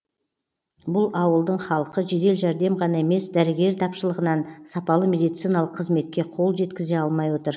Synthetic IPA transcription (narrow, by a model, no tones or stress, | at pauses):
bʊlˠɑwəlˠd̪əɴχɑlˠəqəʒe̞d̪e̞lʒæɾd̪e̞mʁɑnɑe̞me̞sd̪æɾɪɡʲe̞ɾt̪ʰɑpʃəlˠəʁənɑnsɑpɑlˠəme̞d̪ijt̪sijnɑlˠəqʰːəzme̞t̪̚kʲe̞qʰo̞lˠʒe̞t̪kʲɪze̞ɑlˠmɑjwo̞t̪əɾ